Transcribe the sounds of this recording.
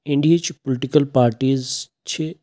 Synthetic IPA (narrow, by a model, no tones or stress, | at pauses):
ɪ̃ɳɖiet͡ʃpʊlɪʈikəlpaːɾʈiːz | t͡ɕʰe